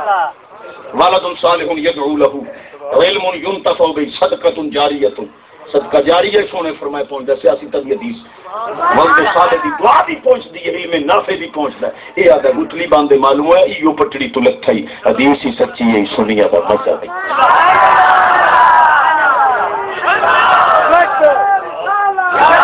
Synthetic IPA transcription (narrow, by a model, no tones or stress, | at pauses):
ʋaləd̪ʊnsaːlɪɦʊnjəd̪ʕuːləɦuːɪlmʊnjʊnt̪əfʰaːbəiːsəd̪kət̪ʊnd͡ʒaːɾɪjat̪ʊn | səd̪kaːd͡ʒaːɾɪjaisoːɽ̃ẽːpʰəɾmaːeːpɔ̃ːt͡ʃd̪aːseːəsĩːt̪ad̪iːɦəd̪iːs | ʋəld̪ʊsaːled̪iːd̪ʊaːd̪iːpɔ̃ːt͡ʃd̪iːɛɪlmẽːnaːfʰeːb̪iːpɔ̃ʊt͡ʃd̪a̰ː | eːaːd̪aːɡʊt̪liːbãːnd̪eːmaːluːɛːɪjoːpəʈːɽiːt̪õləkʰːaːiː | əd̪iːsiːsətːʃiːeːiːsʊniːjã̰ːd̪a̰ːməd͡ʒa̰ːdəi